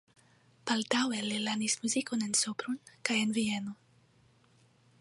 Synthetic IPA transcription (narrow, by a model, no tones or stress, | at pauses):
palt̪awelelanismuzikonensopɾunkajenvieno